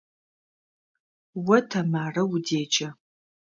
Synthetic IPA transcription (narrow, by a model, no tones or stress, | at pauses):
wɐtʰɐmaːrɐwʊdeːd͡ʒʼɐ